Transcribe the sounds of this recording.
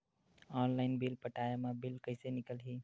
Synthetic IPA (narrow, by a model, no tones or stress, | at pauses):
ɔːnlaːɪnbɪlpəʈaːjemãbɪlkəɪsenɪkəlɦiː